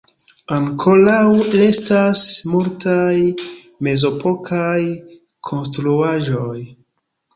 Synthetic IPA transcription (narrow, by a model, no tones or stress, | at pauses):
aŋkʰo̞lawle̞stasmultʰaj | me̞zo̞pʰo̞kʰaj | kʰo̞nstɾuaʒoj